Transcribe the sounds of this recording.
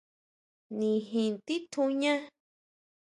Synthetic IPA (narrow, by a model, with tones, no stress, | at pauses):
nĩ˨ɦĩ˧˨nt̪i˦t̪ʰũ˧ɲã˦